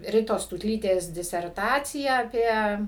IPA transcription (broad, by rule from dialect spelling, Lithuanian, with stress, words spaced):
ˈrʲɪtoːs tuːtʲˈlʲiːtʲeːs dʲɪsʲɛrˈtɑːt͡sʲɪjæː ɐˈpʲiɛ